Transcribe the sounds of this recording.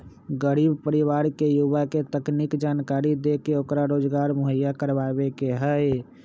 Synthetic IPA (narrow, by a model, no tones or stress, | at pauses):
ɡəɾibpəɾiʋaɾkejuʋaket̪əknikd͡ʒankaɾid̪ekeokɾaɾod͡ʒɡaɾmoɦəjːakəɾbabekeɦəj